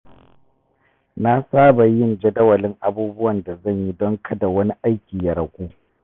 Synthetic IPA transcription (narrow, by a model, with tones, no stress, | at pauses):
na˦saː˦ba˨jɪ˦nd͡ʒɐ˦dɐ˦wɐ˨lɪ˦ŋʔa˨buː˦bʊ˦wɐ˨nda˨zɐ˦˨ɲji˦dɔ˦ŋkʰɐ˨da˨wɐ˦ni˦ʔa˦jkʲiː˨ja˨ɾɐ˨kʷʼuː˦